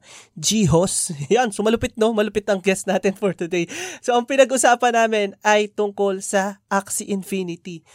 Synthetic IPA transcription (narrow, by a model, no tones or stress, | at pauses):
d͡ʒiːɦosjɐnsomɐlʊpɪt̪̚no̞mɐlʊpɪt̪ɐŋɡɛsnaːt̪ɪnfoɹt̪ʊd̪ejso̞ʔɐŋpɪnɐɡʔʊsaːpɐnːaːmɪnʔɐjt̪ʊŋko̞lsɐʔaksiʔɪnfinɪt̪i